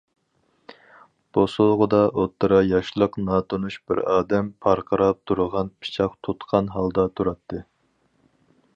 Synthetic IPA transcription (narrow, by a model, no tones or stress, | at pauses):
b̥osulˠʁʊd̪ɑʔot̪ʰːɨɾɑjɑʃlˠəqnɑːt̪ʰonuʃb̥ɪ̰ɾɑːd̪ɛmpʰɑɾqʰɑɾɑp̚t̪ʰuɾəʁɑnpʰɨ̥t͡ʃʰɑqt̪ʰot̪qʰɑnɦɑlˠd̪ɑt̪ʰuɾɑt̪ʰːɨ